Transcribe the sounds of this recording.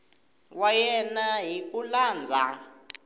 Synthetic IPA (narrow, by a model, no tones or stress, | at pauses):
wajɛnaɦik̬ʼulaːnd͡zʱa̰